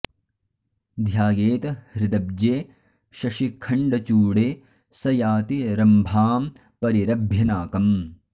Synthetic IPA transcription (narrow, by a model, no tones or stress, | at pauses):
d̪ʱjaːɡeːt̪ɐhɾɪd̪ɐb̚d͡ʒeː | ʃɐʃikʰɐɳɖɐt͡ʃuːɽeː | sɐjaːt̪iɾɐmbʱaːm | pɐɾiɾɐbʱjɐnaːkɐm